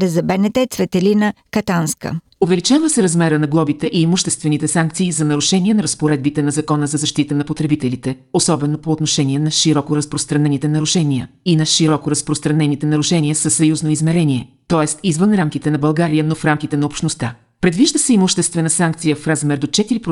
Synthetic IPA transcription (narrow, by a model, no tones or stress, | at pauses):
ɾɛzɐbɛnɛt̪ɛt̪svɛt̪ɛlinə | kɐt̪anskə̰ | ovɛlit͡ʃavəsɛɾɐzmɛɾənɐɡlˠɔbit̪ɛʔiːmuʃt̪ɛst̪vɛnit̪ɛsaŋk̚t̪siːzɐnɐɾuʃɛniɛnɐɾəspoɾɛd̪̚bit̪ɛnɐzɐkɔnəzɐzɐʃt̪it̪ənɐpot̪ɾɛbit̪ɛlit̪ɛ | osɔbɛnopoːt̪noʃɛniɛnɐʃiɾɔkoɾɐspɾost̪ɾɐnɛnit̪ɛnɐɾuʃɛniəinɐʃiɾɔkoɾɐspɾost̪ɾɐnɛnit̪ɛnɐɾuʃɛnʲiəsəsːɐjuznoizmɛɾɛniɛt̪ɔɛst̪izvənɾamkʲit̪ɛnɐbɐlˠɡaɾijənofɾamkʲit̪ɛnɐopʃt̪nost̪a | pɾɛd̪viʒd̪əsɛimuʃt̪ɛst̪vɛnəsaŋk̚t̪sijəfɾazmɛɾd̪ot͡ʃɛt̪iɾipɾ